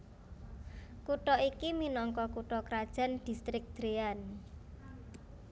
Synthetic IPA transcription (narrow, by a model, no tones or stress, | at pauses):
kuʈɔikiminɔŋkɔkuʈɔkɾad̥ʒ̥a̤nd̪̥i̤st̪ɾɪk̚d̪̥ɾean